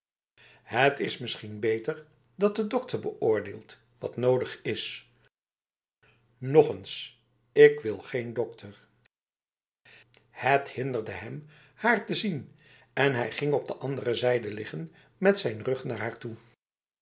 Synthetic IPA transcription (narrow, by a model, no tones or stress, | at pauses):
hətɪsmɪsχinbejtəɹ | dɑt̚dədɔk̚təɹbəʔʊːɹdeːlˠt | ʋɑ̰tnowdəχɪs | nɔχəns | ɪkʋɪlˠχejndɔk̚tʰəɹ | həthɪndəɹdəɦɛm | haːɹtəzin | ɛnɦɛjχɪŋɔb̚dəʔɑndərəzɛjdəlɪχən | mɛtsɛjnrɵχnaːɹɦaːɹtu